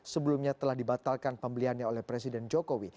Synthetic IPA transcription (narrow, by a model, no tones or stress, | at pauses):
səbəlumɲat̪əlahdibat̪alkanpəmbəliɦanɲaolɛhpɾesidɛnd͡ʒokowi